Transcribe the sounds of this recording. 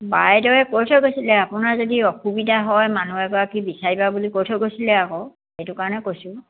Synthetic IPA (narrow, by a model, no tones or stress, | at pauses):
bajdɔjɛkojtʰɔkojsilɛapʊnazodiɔxubidʱaɦɔjmanuɛkɔɹakibisaɹibabulikojtʰɔkojsilɛakɔ | ejtʊkaɹɔnɛkojsʊ̃